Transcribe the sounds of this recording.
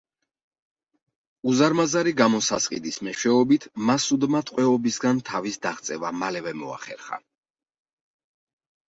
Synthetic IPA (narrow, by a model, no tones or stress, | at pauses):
uzaɾmazaɾiɡamɔsasqʼḭd̪ismɛʃwɛɔbit̪ʰmasud̪mat̪ʼqʼwɛɔbisɡant̪ʰavisd̪aχt̪sʼɛvamalɛvɛmɔa̰χɛ̰ɾχa̰